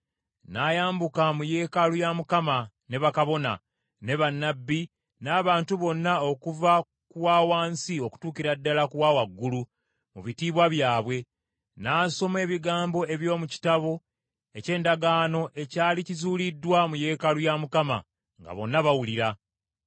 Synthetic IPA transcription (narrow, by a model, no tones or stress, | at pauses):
naːjaːmbukamuje̞ːkalujamukama | ne̞βakaβo̞na̰ | ne̞βanːabːi | naːβaːntuβo̞nːao̞kuva | kuwaːwaːnsio̞ku̥tuːkiɾadːalakuwaːwaɡːulu | muβitiːβwaβjaːβwe̞ | naːso̞me̞ːβiɡaːmbo̞e̞βjo̞ːmuci̥taβo̞ | e̞ce̞ːndaɡaːno̞ʔe̞caːlicizuːlidːwamuje̞ːkalujamukama̰ | ŋɡa̰βo̞̰nːaβawuliɾa